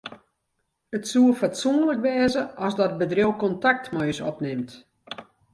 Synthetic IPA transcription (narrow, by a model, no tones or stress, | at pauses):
ətsuəfatsuənləkʋɛːzəʔɔsdɔt̚bədrjowkɔntak̚tmɔːsɔ̰pnɪmt